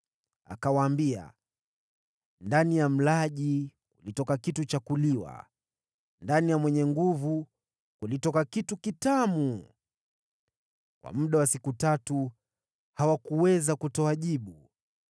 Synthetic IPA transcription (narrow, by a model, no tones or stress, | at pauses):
a̰kawaːmbia̰ | ndanijam̩laʄikulitɔkakitut͡ʃakuliwa̰ | ndanijamwɛɲɛŋɡuvu | kulitɔkakitukitamu | kwa̰muɗawasikutatu | hawakuwɛzakutɔaʄiɓu